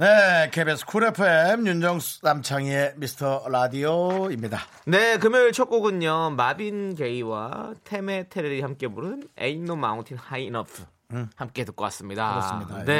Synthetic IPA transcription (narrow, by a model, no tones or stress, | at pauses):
nekʰebesʰkʰuɾepʰɯemjund͡ʑʌŋsnamt͡ɕʰaŋemisʰɯ̥tʰʌɾadioimɲida | ne̞kɯmjʌɭt͡ɕʰok͈oɡɯɲːʌmabinke̞iwa̰tʰe̞me̞tʰeɾɯɾihamk͈e̞muɾɯnḛinːoma̰uŋtʰinhainʌpʰɯ̥ | hamk͈e̞tɯk͈ʌk͈a̰s͈ɯmɲida̰siane